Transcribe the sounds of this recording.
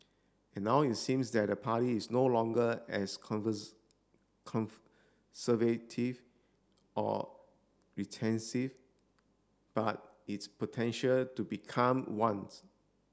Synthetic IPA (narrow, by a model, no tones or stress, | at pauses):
ɛ̃nːaʊitsĩmsdɛt̚dəpʰaɾiːsnolɔ̃ŋɡəɛs | kʰɔ̃n | səvetʰiv | ʔɔ̰ | ɹitʰɛ̃nsiv | b̥at̚ | itspotʰɛ̃nʃəltubikʰãmwãns